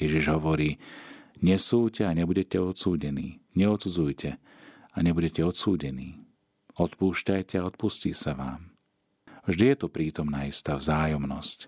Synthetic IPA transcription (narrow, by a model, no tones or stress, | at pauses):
jɛʒiʒɦɔʋɔɾiːɲɛsuːcɛaɲɛbuɟɛcɛɔt̪suːɟɛnḭːɲɛɔt̪t͡sud͡zujcʰɛ | aɲɛbuɟɛcɛɔt̪suːɟɛniː | ɔt̪puːʃcajcɛaɔt̪̚pusciːsaʋa̰ːm | vʒd̪ijɛt̪ɔpɾiːt̪ɔmnaːist̪aːvzaːjɔmnɔsc